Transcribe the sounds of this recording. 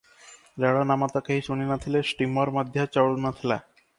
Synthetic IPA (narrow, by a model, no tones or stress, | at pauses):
ɾɛɽanamat̪ɔkaɦiʃuninat̪ʰilesʈimɔɾmad̪ʱjat͡ɕɔɽunat̪ʰila̰